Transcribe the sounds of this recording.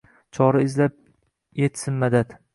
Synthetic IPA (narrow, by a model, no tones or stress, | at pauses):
t͡ʃʰɒɾaɪzlap̚ | jet̪sɪnmad̪at̪